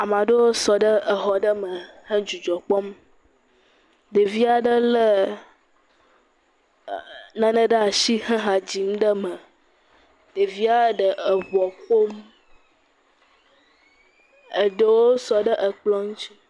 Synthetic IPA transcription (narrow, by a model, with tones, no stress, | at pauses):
a˨mã˨ɖə˦wo˦sɔ˨ɖə˦ʔə˨ɦɔ˨ɖə˦mə̃˨hə˦d͡ʒu˨d͡ʒɔ˨k͡pɔ˦m | ɖə˨vi˦a˨ɖə˦lə˦ | nã˦nə˦ɖə˦a˨ʃi˦ɦə˦ɦã˨d͡ʑi˨m˦ɖə˦mə̃˨ | ɖə˨vi˦a˦ɖə˨ʔə˨βɔ˨ɸo˦m | ə˨ɖə˦wo˦sɔ˨ɖə˦ʔə˨k͡plɔ˦ŋũ˦t͡ʃi˦